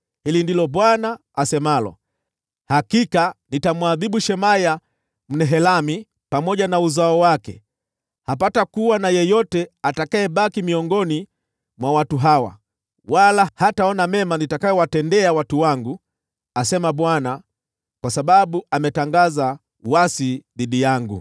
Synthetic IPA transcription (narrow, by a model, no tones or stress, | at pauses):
hilindilɔɓwanaː | sɛmalɔ̰ | hakikanitamwaðiɓuʃɛmaja | m̩nɛɦɛlami | pamɔʄanauzaɔwakɛ̰ | hapatakuwanajɛjɔtɛatakaɛɓakimiɔŋɡɔni | mwawatuɦawa̰ | walahataɔnamɛmanitakajɔwatɛndɛawatuwaŋɡu | asɛmaɓwana | kwasaɓaɓuamɛtaŋɡaza | uwasiðiɗijaŋɡṵ